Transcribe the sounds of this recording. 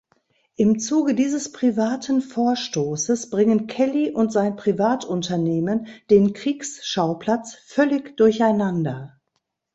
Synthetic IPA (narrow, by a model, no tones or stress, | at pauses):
ʔɪmt͡suːɡədiːzəspʁ̥ivaːtʰn̩foːɐʃtoːsəsb̥ʁɪŋənkʰɛliʔʊntz̥aɪnpʁ̥ivaːtʔʊntʰɐneːmənd̥eːnkʁ̥iːksʃaʊpl̥at͡sfœlɪçd̥ʊɐçaɪnandɐ